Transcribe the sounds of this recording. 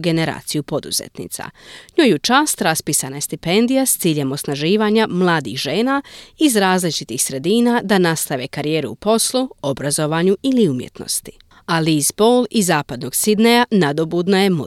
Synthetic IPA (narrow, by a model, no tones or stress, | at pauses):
ɡe̞ne̞ɾa̰ːt̪sijupo̞d̪ṵzḛt̪nḭt̪sa̰ɲoːjut͡ʃaːst̪ɾaspiːsanaje̞st̪ipe̞nd̪ijast̪siːʎe̞mo̞snaʒiːʋaːɲamlˠaːd̪ḭxʒeːnaːizɾaːzlit͡ʃit̪ixsɾe̞d̪iːnad̪anast̪aʋe̞kaɾije̞ːɾṵupo̞sluo̞bɾazo̞ʋaːɲuiliumjḛt̪no̞̰st̪i̥ | aliːzbolˠizaːpad̪no̞ɡsid̪nejanad̪o̞buːd̪najemu